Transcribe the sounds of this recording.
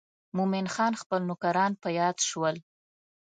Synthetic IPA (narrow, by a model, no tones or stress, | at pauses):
mumɪnxɑnxpəlnʊkaɾɑnpəjɑd̪ʃwəl